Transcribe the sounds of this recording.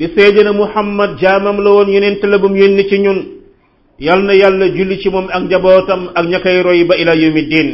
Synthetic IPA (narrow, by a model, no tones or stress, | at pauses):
disɛːɟɐnɐmuħɐmːɐd̚ɟamɐmlɐwɔnjunɛntɐlɐbumjonːit͡ʃiɲun | jalnɐjalːɐɟulːicimɔmɐk̚ɲɐbɔːtɐmɐk̚ɲɐkːɐjɾɔjibɐilajomidiːn